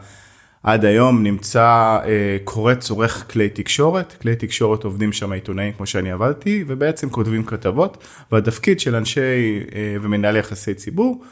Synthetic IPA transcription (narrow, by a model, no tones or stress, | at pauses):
ʔadajo̞mnimt͡saekʰo̞ʁet͡so̞ʁe̞χkle̞jtikʃo̞ʁe̞tkle̞jtikʃo̞ʁeto̞vdimʃamaitonaimkmo̞ʃeaniavadtivebeet͡se̞mko̞tvimkatavo̞t | veatafkid̪ʃe̞lanʃe̞jveminaljaχase̞jt͡sibuʁ